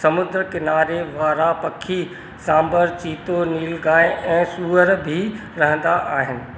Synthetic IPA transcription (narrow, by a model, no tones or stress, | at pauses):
sɐmʊd̪ɾəkɪnaːɾeʋaːɾapɐkʰːi | sãːmbəɾt͡ɕiːt̪oniːlɡãːeʔɛ̃ːsuːəɾbʱi | ɾɐɦə̃nd̪aʔaːɦɪnɪ̆